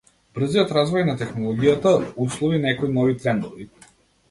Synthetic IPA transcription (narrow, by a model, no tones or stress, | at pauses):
b̥r̩zijɔt̪ɾazvɔjnat̪ɛxnɔlˠɔɡijat̪auslˠɔvinɛkɔinɔvit̪ɾɛnd̪ɔvi